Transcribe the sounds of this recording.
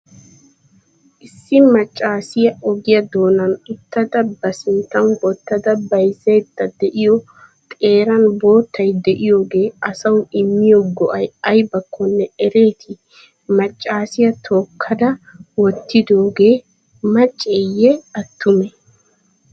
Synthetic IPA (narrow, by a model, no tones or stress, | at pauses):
ʔɪsːɪmɐt͡ʃʼːaːsɪjɐɔɡɪjɐd̪o̞ːnɐnɪt̪ːɐd̪ɐbɐsɪnt̪ːɐnwɔt̪ːɐd̪ɐbɐjzɛjd̪ɐd̪ɛʔɪjɔ | t̪ʼe̞ːɾɐnbo̞ːt̪ːɐjd̪ɛʔɪjo̞ːɡe̞ːɐsɐwɪmːɪjɔɡɔʔɐjɐjbɐkʰːɔnːɛɛɾe̞ːt̪ʰɪ | mɐt͡ʃʼːaːsɪjɐt̪ʰoːkʰːɐd̪ɐwɔt̪ːɪd̪o̞ːɡe̞ː | mɐt͡ʃʼːejɛɐt̪ːʊmɛ